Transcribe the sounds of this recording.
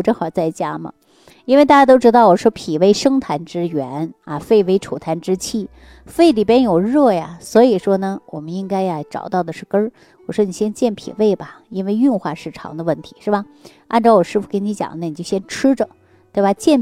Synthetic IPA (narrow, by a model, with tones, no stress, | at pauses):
ʈ͡ʂɤ˥˧˩xɑ˨˩ʊt͡sa˥˩ɪt͡ɕja˥mə̰˩ | i˥nwɪt̪a˥˩t͡ɕja˥t̪o˥ʊʈ͡ʂɻ̩˥t̪ɑ˥˩ʊwɔ˨˩ʂwɔ˥pʰi˨˩we˥˩ɪʂɤ˥ŋt̪ʰa˧˥nʈ͡ʂɻ̩˥ɥɛ˧˥nɐ˧˩fe˥˩ɪwe˥ɪʈ͡ʂʰu˨˩t̪ʰa˧˥nʈ͡ʂɻ̩˥t͡ɕʰi˥˩ | fe˥˩ɪli˨˩pjɛ˥njo˨˩ʊɻɤ˥˩ja˩swɔ˧˥i˨˩ʂwɔ˥nə˨wɔ̰˨˩mə˦ni˥ŋka˥ɪa˨ʈ͡ʂɑ̰˨˩ʊt̪ɑ˥˩ʊd̪ə˩ʂɻ̩˥˩kə˥ | wɔ˨˩ʂwɔ˥ni˨˩ɕjɛ˥nt͡ɕjɛ˥˩npʰḭ˨˩we˥˩ɪbɐ˩i˥nwe˥˧ɪy˥˧nxwa˥˧ʂɻ̩˥˩ʈ͡ʂʰɑ̰˧˥ŋd̪ə˧ə˥˩nt̪ʰi̥˧˥ʂɻ̩˥˩ba˨˩ | ʔa˥˧nʈ͡ʂɑ˧ʊwɔ˨˩ʂɻ̩˥˧fu˧˩kə˥ni˧˥t͡ɕjɑ̰˨˩ŋə˧ni˨˩t͡ɕjo˥˩ʊɕjɛ˥nʈ͡ʂʰɻ̩˥ʈ͡ʂə˨ | tt̪we˥˩ba˨˩t͡ɕjɛ˥˩n